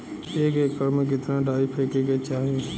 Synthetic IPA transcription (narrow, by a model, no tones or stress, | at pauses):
eːkeːkəɾmek̬ɪt̪ɾãːɖaːɪpʰeːkekeːt͡ʃaːɦijũ